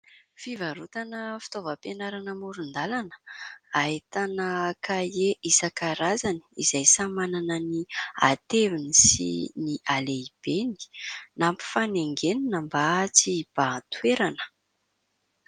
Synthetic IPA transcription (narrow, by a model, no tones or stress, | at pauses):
fivaɾut̪anəfi̥t̪ovəpenaɾanəmuɾund̪alanə̥ait̪anəkajeʔisakaɾazaniizajsamananənia̰t̪evinisḭniʔaleib̥eni̥nampi̥faneŋɡeninəmbat͡sib̥at̪weɾanə̥